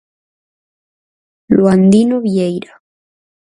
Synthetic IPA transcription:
loand̪inoβjejɾa

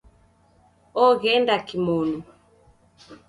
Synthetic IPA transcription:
ɔɣɛndakimɔnu

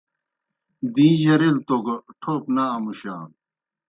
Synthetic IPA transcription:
d̪ĩːjɐɾelt̪oɡɐʈʰoːpnaːmuɕa̰ːn

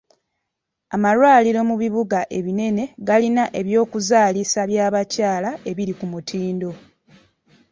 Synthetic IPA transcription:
amalwaːliɾo̞muβiβuɡaʔe̞βine̞ne̞ɡalinaʔe̞βjo̞ːkuzaːlisaβjaːβacaːlaʔe̞βiɾikumutʰiːndo̞

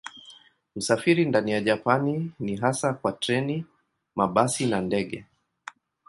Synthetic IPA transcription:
usafiɾindanijaʄapaniniɦasakwatɾɛni | maɓasinandɛɠɛ

